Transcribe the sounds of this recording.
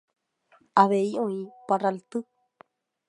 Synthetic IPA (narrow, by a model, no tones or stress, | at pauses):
aβeiõĩparalt̪ɨ